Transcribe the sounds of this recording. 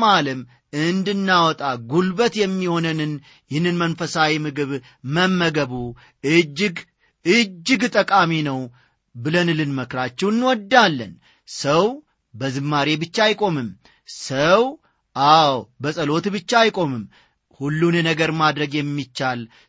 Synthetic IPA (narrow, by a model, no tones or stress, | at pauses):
malɨm | ɨnd̪ɨnːawɔt̪ʼaɡulbət̪jɛmːiho̞nɨnɨn | jɪhnːɨnmənfəsawimɨɡɨβ | məmːəɡəβu | ɨd͡ʒːɡ | ɨd͡ʒːɨɡt̪ʼəkʼaminəw | bɨlənɨlɨnməkɾat͡ʃːɛwɨnːwɔd̪ːalːən | səw | bəzɨmːaɾe̞bɨt͡ʃːaajkʼo̞mɨm | səw | ʔawbəsʼəlo̞t̪bɨt͡ʃːaajkʼo̞mɨm | hulːunjɛnəɡəɾmad̪ɾəɡjɛmːit͡ʃːal